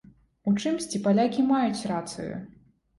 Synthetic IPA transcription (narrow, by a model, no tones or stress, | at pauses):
ut͡ʂɨmsʲt͡sʲipalʲakʲimajut͡sʲrat̪sɨ̰jṵ